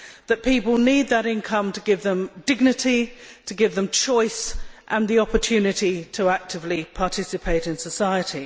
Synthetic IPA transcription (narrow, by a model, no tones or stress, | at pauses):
ðəʔpiˑpəlˠniːd̪̚ðəɾɪ̃nkʰʌ̃mtʰəɡɪvðə̃mdɪɡ̚nɪtitʰəɡɪvðə̃mt͡ʃʰɔɪsʔə̃nðiɒpətʰʉːnɪtitʰəak̚tʰɪvlipʰɑˑtʰɪsɨpʰeɪtɪ̃nsəsaɪətʰi